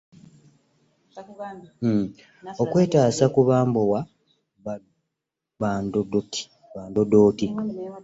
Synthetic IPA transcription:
m̩ | o̞kwe̞ːtaːsakuβaːmbowa | βaːndodoti̥ | βaːndodo̞ːti

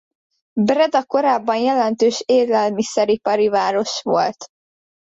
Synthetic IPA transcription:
brɛd̪ɒko̞ɾaːbːɒnjɛlɛnt̪øːʃeːrlɛlmisɛɾipɒɾivaːɾo̞ʃʋo̞̰lt̪

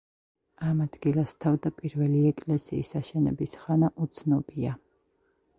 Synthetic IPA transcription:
amad̪ɡilˠast̪ʰavd̪apʼiɾvɛliɛkʼlɛsḭːsaʃɛnɛ̰bisχanaʔut̪sʰnɔbia

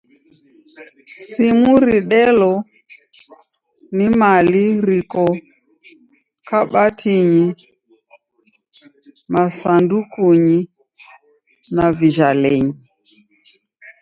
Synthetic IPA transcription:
simuɾiɗɛlɔ | nimaliɾikɔ | kaɓatʰiɲi | masandukuɲi | naviʒalɛɲi

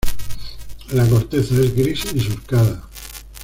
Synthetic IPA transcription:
lako̞ɾt̪eθaezɡɾisins̬uɾkaða

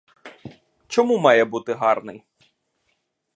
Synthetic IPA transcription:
t͡ʃɔmumɑjɛbut̪ɪɦɑrnɪj

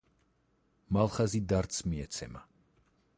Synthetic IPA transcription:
malˠχazid̪aɾt̪sʰmiɛt̪sʰɛ̰ma

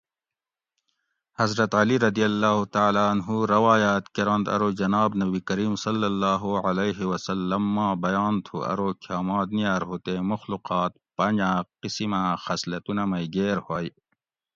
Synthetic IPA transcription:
hɐzɾɐt̪ɐliɾɐd̪ijɐlːaːɦut̪aːlaːɐnɦuɾɐwaːjaːt̪keɾɐ̃nd̪ɐ̰ɾoːd͡ʒɐnaːbnɐbikɐɾiːmsɐlːɐlːaːɦuʕɐleːɦewɐsɐlːɐmːãːbɐjaːnt̪ʰṵʔɐ̰ɾoːkʰjaːmãːd̪nijaːɾɦoːt̪emʊxluqaːt̪̚pɐɲd͡ʒãːqisimãːxɐslɐt̪unɐmɐiɡeːɾhoːi

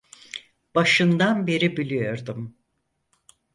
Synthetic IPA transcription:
b̥aʃɯnd̪anbe̞ɾibilʲijo̞ɾd̪um

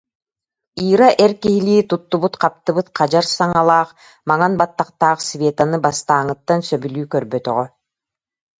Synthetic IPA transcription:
iːɾaʔɛɾkiɦiliːt̪ut̪ːubut̪qap̚t̪ɯbɯt̪qad͡ʑaɾsaŋalˠaːq | maŋanbat̪ːaqt̪aːqsvʲeːt̪anɯbast̪aːŋɯt̪ːansœbylyːkœɾbœt̪œ̰ʁœ

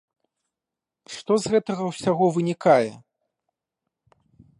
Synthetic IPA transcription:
ʂt̪ɔzɣɛt̪ɐɣɐwsʲaɣɔvɨnʲikajɛ

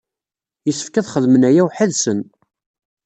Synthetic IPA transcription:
jəsə̥fkæðχəðmənæjæwħəðsən

